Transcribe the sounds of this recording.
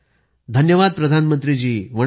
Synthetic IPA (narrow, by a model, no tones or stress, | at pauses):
d̪ʱənjəʋad̪̚pɾəd̪ʱanmənt̪ɾid͡ʑiːʋə